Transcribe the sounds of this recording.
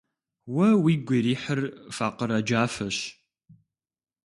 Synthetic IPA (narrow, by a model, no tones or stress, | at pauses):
wɐwiːɡʷɪɾiːħərfaːqəɾɐd͡ʒaːfɐɕ